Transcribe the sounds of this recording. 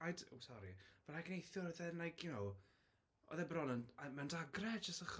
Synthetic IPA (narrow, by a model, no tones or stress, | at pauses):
ajdo̰wsɔɾḭvɛlakənejθʊrðɛnlajkʰjʊnow | ɔ̰ðɛbrɔnənmandaɡrɛdd͡ʒəstəχ